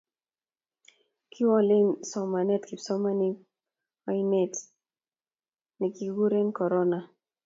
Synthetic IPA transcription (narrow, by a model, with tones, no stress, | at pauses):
kʰɪ˦wɔ˦lɪ˦nsɔ˨ma˨nɛ˦tki˨psɔ˦ma˦ni˦ | ɔ˦ine˦t | ni˨ki˨ɡu˦ɾe˦nkɔ˨ɾɔ˦na˨